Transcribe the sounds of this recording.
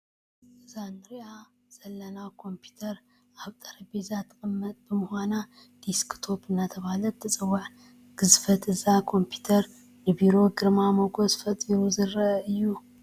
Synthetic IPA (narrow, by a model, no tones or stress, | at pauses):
ʔɨzanɨɾiʔa | z̥ɐlːɐnawkʰo̞mpʰi̥t̪ʰɐɾ | ʔaβt̪ʼɐɾɐbezat̪ʰːɨχʼɨmːɐt̪ʼbɨmhʷana | d̪̥iskt̪ʰo̞pɨnːat̪ʰɐβahlɐt̪ʰːɨt͡sʼɨwːaħ | ɡ̥ɨzfɐt̪ʰɨzakʰo̞mpʰi̥t̪ʰɐɾ | nɨbiɾo̞ɡɨɾmamoɡo̞zfɐt̪ʼiɾuzɨɾɐɨjːu